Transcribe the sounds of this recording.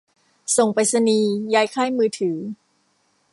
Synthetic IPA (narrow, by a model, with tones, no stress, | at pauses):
so˨˩ŋpa˨jsa˧niː˧jaː˦˥jkʰaː˥˩jmɯː˧t̪ʰɯː˩˦